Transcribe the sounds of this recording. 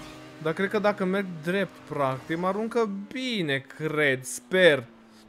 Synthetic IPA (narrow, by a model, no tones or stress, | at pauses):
d̪akɾed̪̚kəd̪akəme̞rɡd̪ɾe̞p̚t̪pɾak̚t̪ikmaɾuŋkəbine̞kɾe̞d̪spe̞r